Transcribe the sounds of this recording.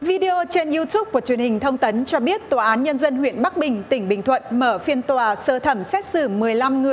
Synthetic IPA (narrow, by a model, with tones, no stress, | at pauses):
vi˧ɗe˧ʔo˧t͡ɕe˧nʔi˧t̪u˦˥p̚ku˧˩ət͡ɕɥənhï˨˩ŋ̟t̪ʰə˧wŋ͡mt̪ə˨˦nt͡ɕɔ˧ɓi˦˥ət̚t̪waː˨˩ʔaː˨˦nɲə˧nzə˧nhwḭ˧˨ənɓa˦˥k̚ɓï˨˩ŋ̟t̪ï˧˩ŋ̟ɓï˨˩ŋ̟t̪ʰwə̰˧˨nməː˧˩fi˧ənt̪waː˨˩səː˧t̪ʰə˧˩msɛ˦˥t̚sɨ̰˧˩mɨ˨˩əjla˧mŋɨ˨˩əj